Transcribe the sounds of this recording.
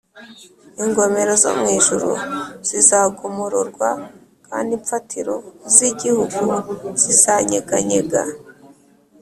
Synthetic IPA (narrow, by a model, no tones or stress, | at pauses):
iŋɡo̞me̞ɾo̞zo̰mŋiːʒuɾṵz̥izaːɡumuɾuɾɡwa | kaːndiɱfatiɾo̞ziɟihuɡuz̥izaɲeɡaɲeɡa̰